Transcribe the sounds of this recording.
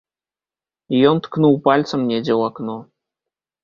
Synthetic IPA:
jont̪knuwpɑlʲt͡sə̆mnʲedʲewɑkno

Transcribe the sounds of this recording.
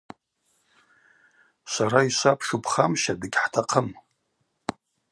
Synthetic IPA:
saɾaisʷapʰʂupʰχamʃadɨɡʲħtʰaqʰəm

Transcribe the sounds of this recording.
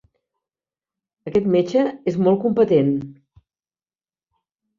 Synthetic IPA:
əkɛt̪met͡ʃəezmɔlˠkumpət̪en

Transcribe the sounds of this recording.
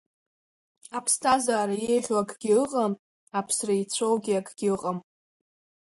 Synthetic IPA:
apʰstʰazaːɾajejχʲoakʰʼɡʲɪɨqʼam | apʰsrait͡sʷʰowɡʲiakʰʼɡʲɪqʼam

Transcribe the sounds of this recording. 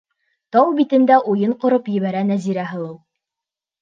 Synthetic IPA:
t̪ɑwbit̪ɘ̆nd̪æʔujɤɴqŏɾopjɘ̆βæɾænæziɾæɦɤ̆lˠɤw̪ˠ

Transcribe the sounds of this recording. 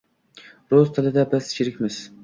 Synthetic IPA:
ɾozt̪ʰɪlɪd̪abɪst͡ʃʰɪɾɪkʲmɪz̥

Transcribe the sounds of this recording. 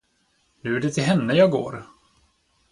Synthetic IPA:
nɵ̟æɖɛt̪ʰɪlɦɛnːəjɑːɡo̰ːɾ

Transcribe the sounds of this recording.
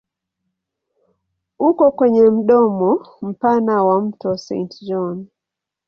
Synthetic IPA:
ukɔkwɛɲɛm̩ɗɔmɔ | m̩panawam̩tɔsɛ̃ntd͡ʒɔn

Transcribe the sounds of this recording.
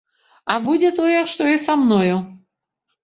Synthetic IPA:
ɐbud͡zʲɛt̪ojɛʂt̪ɔisamnoju

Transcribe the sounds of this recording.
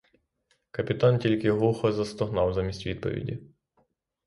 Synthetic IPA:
kɐpʲɪt̪antʲilʲkʲɪɦlˠuxɔzɐst̪ɔɦnɑwzamʲisʲtʲʋʲid̪̚pɔ̰ʋʲḭdʲḭ

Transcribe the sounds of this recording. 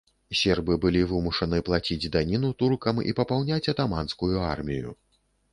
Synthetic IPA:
sʲɛrbɨbɨlʲivɨmuʂɐnɨplˠat͡sʲid͡zʲd̪anʲinut̪urkɐmḭpɐpawnʲat͡sʲɐt̪amanskujuarmʲijṵ

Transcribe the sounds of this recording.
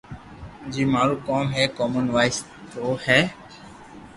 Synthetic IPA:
d͡ʒiːmaːɾuːkoːmɦɛːkoːmənʋaːɪs | t̪oːhɛː

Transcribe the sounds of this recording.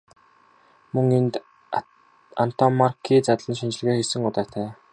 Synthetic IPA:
mɵŋent̪ | an̥t̪ʰɔmarkʰiːt͡sat̪ɮə̆nʃint͡ɕɪ̆ɮ̆ɣeːxesɘ̆ŋʊt̪aːt̪ʰæː

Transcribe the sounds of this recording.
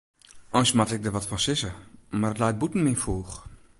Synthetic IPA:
ɔjnsmatɛk̚dəʋɔtfɔnsɪsəmarətlajt̚butn̩mɪfuːx

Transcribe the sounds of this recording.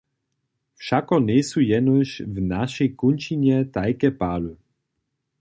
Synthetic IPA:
fʃakɔnʲɛsujɛnuʃvnaʃɛjkunʲt͡ʃiɲɛt̪ajkɛpalu

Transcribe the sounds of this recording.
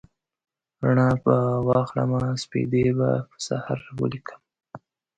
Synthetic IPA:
ɾaɳapəwɑxla̰maspḭd̪eba̰pəsa̰haɾwə̰likʰə̥m

